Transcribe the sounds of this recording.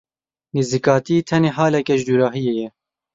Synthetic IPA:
nizikɑːt̪it̪ʰɛneːɦɑːlɛkɛʒd̪uɾɑːɦijejɛ

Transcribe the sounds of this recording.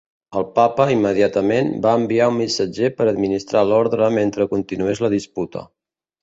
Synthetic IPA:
əlˠpapəimːəð̞iat̪əmenbaəmbiaumːisəd͡ʒepəɾəd̪minist̪ɾalɔɾðɾəment̪ɾəkunt̪inuɛzləð̞isput̪ə̰

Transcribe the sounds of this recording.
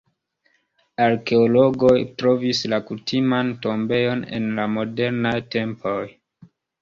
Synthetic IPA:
aɾke̞olo̞ɡo̞jtɾo̞vislakutʰimanto̞mbe̞jo̞ne̞̰nlamo̞de̞ɾnajte̞mpoj

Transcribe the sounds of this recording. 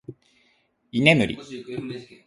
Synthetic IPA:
inenɯɾʲḭ

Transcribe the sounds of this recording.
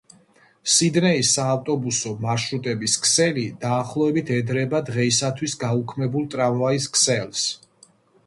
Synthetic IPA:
sid̪nɛisaːft̪ʼɔbusɔmaɾʃut̪ʼɛbiskʰsɛlid̪aːχlˠɔɛbit̪ʰɛd̪ɾɛbad̪ʁɛisat̪ʰwisɡaukʰmɛbulˠt̪ʼɾavvaiskʰsɛlˠs

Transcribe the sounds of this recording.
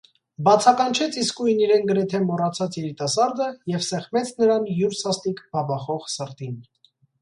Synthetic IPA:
bɑt͡sʰɑkɑnt͡ʃʰɛt͡sʰiskujniɾɛnɡəɾɛt̪ʰɛmɔrɑt͡sʰɑt͡sjɛɾit̪ɑsɑɾd̪əjɛvsɛχmɛt͡sʰnəɾɑnjuɾsɑst̪ikbɑbɑχɔʁsəɾt̪in

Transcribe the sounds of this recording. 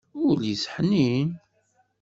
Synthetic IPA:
ʊlisħnin

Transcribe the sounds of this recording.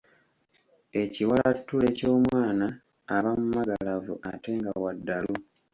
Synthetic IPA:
e̞ciwalatːule̞co̞ːmwaːnaː | βamumaɡalavṵʔa̰te̞ŋɡawadːalu

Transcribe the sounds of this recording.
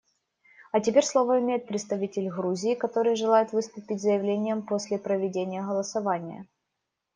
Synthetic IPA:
ɐtʲɪpʲeɾʲslˠo̞vəɪmʲejɪt̪̚pɾʲɪt̪st̪ɐvʲitʲɪlʲɣɾuzʲɪːkɐt̪o̞ɾɨjəʐɨlˠajʊt̪vɨst̪ʊpʲɪtʲzəjɪvlʲenʲɪjəmposʲlʲɪpɾəvʲɪdʲenʲɪjəɣəlˠəsɐvanʲɪ̰jə̰

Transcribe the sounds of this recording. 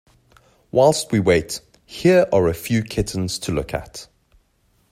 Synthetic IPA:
wʔaɪlˠst̚wiweɪt | hiəɹʔəɹəfjʉːkʰɪtʰə̃n̩z̥tʰəlʊ̰kʰə̰t

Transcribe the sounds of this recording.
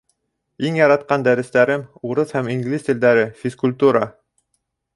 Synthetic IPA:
iŋjɑɾɑt̪̚qɑnd̪æɾɘ̆st̪æɾɘmuɾɤθhæmiŋɡlʲist̪ɘ̆ld̪æɾɘfʲiskʊlʲt̪uɾɑ

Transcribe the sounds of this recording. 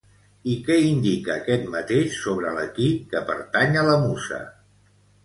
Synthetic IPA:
ikɛind̪ikəːkɛt̪mət̪eʃsoβ̞ɾələkip̚kəpə̰ɾt̪aɲələmusə̰

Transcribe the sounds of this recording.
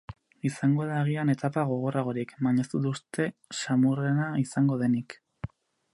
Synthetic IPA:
isaŋɡo̞ð̞aːɣ̞iane̞t̪apaɣ̞o̞ɣ̞o̞raɣ̞o̞ɾikmaɲest̪ut̪ust̪ʰe̞samure̞naisaŋɡo̞ðe̞nik

